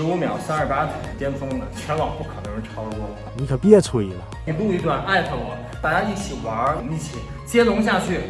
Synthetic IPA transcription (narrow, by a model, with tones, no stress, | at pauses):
ʂɻ̩˧˥u˧˥mjɑ˨˩ʊsa˥nə˞˥˩pa˥t͡sʰa˨˩˧t̪jɛ˥nt͡sʰʊ˥ŋd̪ə˨t͡ɕʰɥɛ˧˥nwɑ˨˩ŋpu˥˩kʰɤ˨˩nɤ˧˥ŋɻə˧˥ʈ͡ʂʰɑ˥ʊ˧wɔ˥˩lni˧˥kʰɤ˨˩pjɛ˥˧t͡sʰu˥˩ḭ˨˩lə˧i˧˩lu˥˧i˧˥t̪wa˥˩nʔa˥˩ɪkʰə˧˩wɑ˨˩˦ŋ | t̪a˥˩t͡ɕa˥i˥˩t͡ɕʰi˨˩wa˧˥ə˧˩ni˥˩t͡ɕʰḭ˨˩ | t͡ɕjɛ˥lʊ˧˥ŋɕ̬ja˥˧t͡ɕʰy˥˩